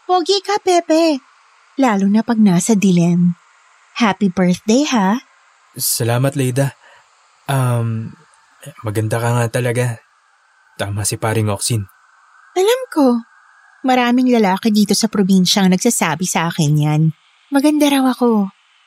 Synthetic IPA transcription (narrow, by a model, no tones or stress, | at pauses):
woɡikɐpɛːpɛ | laːlonɐpɐɡ̚naːsɐd̪ɪlɛn | haːpibɛɹt̪d̪ejha | sɐlaːmɐt̪lɛjd̪ɐ | ʔam | mɐɡɐnd̪akɐŋat̪ɐlɐɡa | t̪aːmɐsɪpaːɾɪŋoksin | ʔɐlamko̞ | mɐɾaːmɪŋlɐlaːkɛd̪iːt̪o̞sɐpɾobinʃɐɐŋnɐɡ̚saːsaːbɪsʔaːkɪnjan | mɐɡɐnd̪ɐɾɐwɐko̞